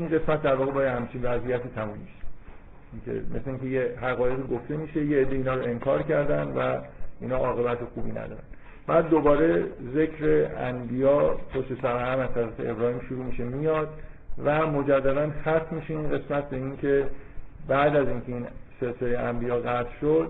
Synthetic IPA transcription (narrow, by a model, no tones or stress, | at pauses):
inɢe̞smæt̪̚d̪æɾvɒːɣe̞bɒːjehæmt͡ʃʰinvæzʔijæt̪ʰiːt̪ʰæmumis | ʔiŋkʰḛmʔesleiŋcʰe̞jeɦæɣɒːje̞ɣiɡoft̪e̞miːʃe̞jeed̪ːeiːnɒːɾoe̞ŋkʰɒːɾcæɾd̪ænd̪væinhɒːʔɒːɣe̞bæt̪ʰexuːbḭnæ̰d̪ɒ̰ːɾæ̰n | b̥æːd̪ːobɒːɾe̞ze̞kʰɾe̞æ̰mbijɒːpʰoʃt̪e̞sæɾææmæzt̪ʰæɾæfḛḛbɾɒːhiːmʃuɾuːmiːʃe̞mijɒd̪ | væmod͡ʒæd̪ːæd̪ænxæt̪ʰmiːʃeinɢe̞smæt̪̚ʰbe̞inkʰe̞bæʔd̪æziŋcʰe̞iːnselseleæmbijɒːɣæt̪ʰʃod̪̥